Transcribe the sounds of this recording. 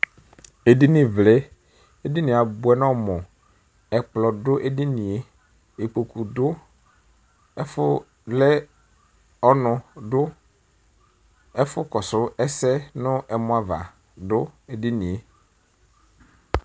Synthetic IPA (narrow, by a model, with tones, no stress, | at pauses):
e˨di˦nɪ̃˨vlɛ˦ | e˦di˦nĩ˨a˨bʊ˨˦ɛ˨nɔ̃˦mɔ̃˨ | ɛ˨k͡plɔ˨dʊ˦ʔe˦di˦nĩ˨e˦ | e˨k͡po˨ku˨dʊ˦ | fʊ˦ | lɛ˦ | ɔ˦nʊ̃˨dʊ˦ | ɛ˦fʊ˦kɔ˨sʊ˦ɛ˦sɛ˦nʊ̃˦ʔɛ˨mʊ̃˨˦a˨va̰˨ | dʊ˦e˨dɪ˦nĩ˨e˨